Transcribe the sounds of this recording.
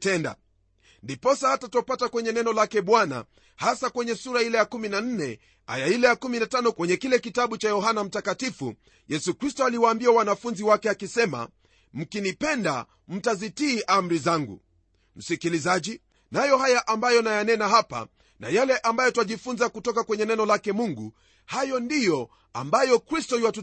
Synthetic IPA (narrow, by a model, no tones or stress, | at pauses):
tɛnda̰ | ndipɔsahatatɔpatakwɛɲɛnɛnɔlakɛɓwana̰ | hasakwɛɲɛsuɾailɛjakuminan̩nɛ | ha̰jailɛjakuminatanɔkwɛɲɛkilɛkitaɓut͡ʃajɔɦanam̩takatifṵ | jɛsukɾistɔaliwaːmbiawanafunziwakɛakisɛma̰ | m̩kinipɛnda̰ | m̩tazitiːʔam̩ɾizaŋɡṵ | m̩sikilizaʄi | najɔhajaʔambajɔnajanɛnaɦapa̰ | na̰jalɛʔambajɔtuaʄifunzakutɔkakwɛɲɛnɛnɔlakɛmuŋɡu | hajɔndijɔ | ambajɔkɾistɔiwatu